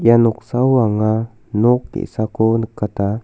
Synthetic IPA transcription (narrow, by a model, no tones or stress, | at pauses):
januksawaŋa | nuk̚t̪ḭsakonkːat̪a